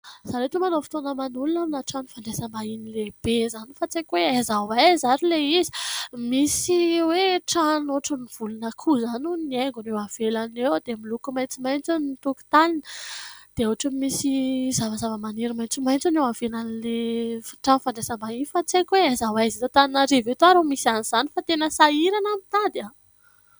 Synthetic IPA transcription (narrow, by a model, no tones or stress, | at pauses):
z̥aɾet̪umanofi̥t̪onəmanulunaminaʈ͡ʂanufaɳɖ͡ʐesəmbainileb̥ezanifat͡sekʲweazawajzaɾileizi̥misiweʈ͡ʂanoʈ͡ʂəniv̥ulunəkʰuzanunieŋɡunewav̥elanewd̪emilukumajnt͡simajnt͡sennt̪uku̥t̪aninəd̪̥eoaʈ͡ʂəmisizavəzavəmaniɾimajt͡simajnt͡sonewavenanilefi̥ʈ͡ʂanfaɳɖ͡ʐesəmbaifat͡sekʲweazawajzit̪ot̪aninaɾevet̪oaɾomisianiz̥anifat̪enəsaiɾanamit̪ad̪a